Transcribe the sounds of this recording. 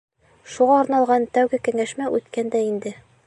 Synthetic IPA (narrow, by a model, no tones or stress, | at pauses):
ʃuʁɑɒɾnɑlˠʁɑnt̪æwɡɘkæ̆ŋæʃmæʔʉt̪kænd̪æind̪ɘ